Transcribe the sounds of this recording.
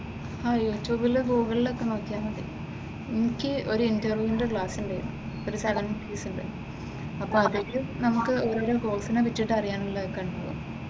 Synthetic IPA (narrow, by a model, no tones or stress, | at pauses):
haːjuːtjuːbilɡuːɡɐɭilo̞kːe̞no̞ːkːijaːnːɐɳɖḛ | enikʲːɨo̞ɾuintɐrʋjuindekɭaːsuɳɖejɐ̰ɳɐ̰ | oɾusɐɡɐnɐmpiːsuɳɖe | ɐpːoːɐðetːunɐmukːɨoːɾoːɾeɡo̞ːlsinepitːiʈːɨɐrijaːnilːɐðkːeɳɖɐʋo̰ː